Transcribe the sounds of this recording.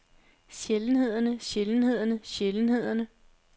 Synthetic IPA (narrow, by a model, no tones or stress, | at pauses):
ɕeln̩ɦe̝ð̞̰ˠɐnəɕeln̩he̝ð̞̰ˠɐnəɕeln̩he̝ð̞̰ˠɐnə